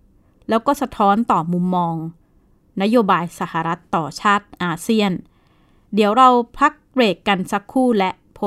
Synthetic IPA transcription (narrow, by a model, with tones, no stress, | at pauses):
lɛː˦˥wkɔː˥˩sa˧t̪ʰɔː˦˥nt̪ɔː˨˩mu˧mːɔː˧ŋ | na˦˥joː˧baː˧jsa˧˩ha˨˩ɾa˦˥t̪ːɔː˨˩t͡ɕʰaː˥˩t̪̚ʔaː˧si˥˩ən | di˩˦əwɾa˧wpʰa˦˥k̚ɾeː˨˩kːa˧nsa˦˥kʰːuː˥˩lɛ˦˥ʔpʰo˦˥